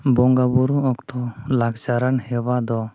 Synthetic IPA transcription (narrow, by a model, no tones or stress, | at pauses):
bɔŋɡabuɾuɔkt̪ɔlaɡd͡ʒaɾanhɛbad̪ɔ